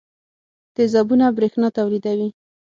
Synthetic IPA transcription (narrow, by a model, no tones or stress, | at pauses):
d̪̥ɪzɑbunabɾexnɑt̪awlid̪awi